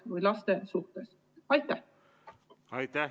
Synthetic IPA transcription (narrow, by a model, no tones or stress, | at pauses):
vɤjlɑst̪e̞suht̪es | ɑjt̪ːˑæh | ɑjt̪æ